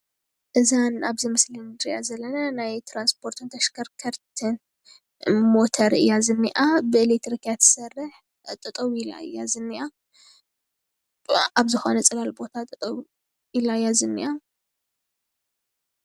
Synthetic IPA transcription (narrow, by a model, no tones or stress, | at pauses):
ʔɨzanaβzimɨslɨnd̪ɾiʔazɐlːɐnɐnajt̪ʰɾanspʰo̞ɾt̪ʰunt̪ʰɐʃkʰɐɾkʰɐɾt̪ʰɨn | mot̪ʰɐɾɨ̰jːazɨnːiʔabɨɨlek̚t̪ɾikʰjat̪ʰɨ̥sɐrːɨħ | t̪ʼɨt̪ʼɐwila̰ɨ̰jːazɨnːiʔa | aβzɨxo̞nɐt͡sʼɐlalbo̞t̪ʰat̪ʼɨt̪ʼw | ilajazɨnːiʔa